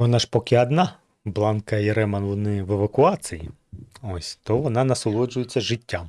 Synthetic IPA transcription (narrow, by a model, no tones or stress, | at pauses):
ʋɔnɑʐpɔkʲɪɐd̪nɑ | blˠɑnkɐiɾɛmɐnʋɔnɪʋeʋɐkʊɑsɨjḭ | ɔsʲt̪ɔʋɔnɑnɐsɔlˠɔd͡ʒʊjet͡sʲːɐʒɪtʲːam